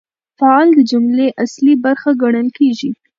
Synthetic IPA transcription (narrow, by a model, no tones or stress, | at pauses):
faɑld̪əd͡ʒʊmleʔaslibaɾxaɡaɽ̃əlkeʒi